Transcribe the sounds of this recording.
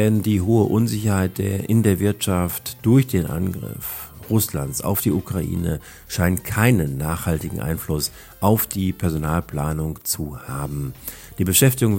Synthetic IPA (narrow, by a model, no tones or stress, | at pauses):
ɛndiːɦoːəʔʊnzɪçɐhaɪt̚d̥eːɐʔɪndeːɐvɪɐtʃaftd̥ʊɐçd̥eːnʔa̰nɡʁɪ̰f | ʁʊslantt͡ssa̰ʊfd̥iːʔukʁ̥aʔḭːnə | ʃaɪntkʰaɪnənːaːχhaltɪɡŋ̩ʔa̰ɪnflʊs | ʔaʊfd̥iːpʰɛɐzonaːlpl̥aːnʊŋt͡suhaːbm̩ | d̥iːbəʃɛftɪɡʊŋ